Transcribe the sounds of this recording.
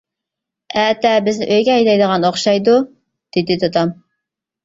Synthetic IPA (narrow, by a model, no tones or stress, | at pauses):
ɛːt̪ɛbɪznɪʔøjɡʲɛɛjd̪ɑjd̪əʁɑnoχʃɑjd̪u | d̪̥ɪd̪ɪt̪ʰot̪ʰɑm